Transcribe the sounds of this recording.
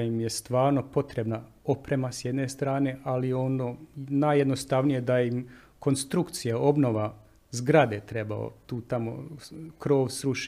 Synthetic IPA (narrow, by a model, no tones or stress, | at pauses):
jimjest̪ʋaːɾno̞po̞t̪ɾe̞bna | o̞pɾe̞masjed̪ne̞st̪ɾaːne̞ʔalio̞noːnaːjed̪nost̪aʋnije̞d̪aim | ko̞nst̪ɾukt̪sijao̞bno̞ʋa | zɡɾad̪e̞t̪ɾe̞ba̰o̰t̪uːt̪amo̰kɾo̞ːʋsɾuʃ